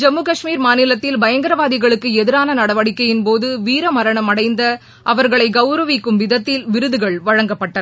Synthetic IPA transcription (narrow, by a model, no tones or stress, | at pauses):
d͡ʒɛmːuːkɐʂmiːɾmaːnɪlɐt̪ːɪlbɐjɐŋɡɐɾɐʋaːðɪɣɐɭɯkːɯɛðɪɾaːnɐnɐɽɐʋɐɽɪkːɐjɪnpoːðɯʋiːɾɐmɐɾɐɳɐmɐɽɐɪnd̪ɐ | ʔɐʋɐɾɣɐɭɐɪɡɐʊɾɐʋɪkːɯmʋɪðɐt̪ːɪlʋɪɾɯðɯɣɐɭʋɐɻɐŋɡɐpːɐʈːɐ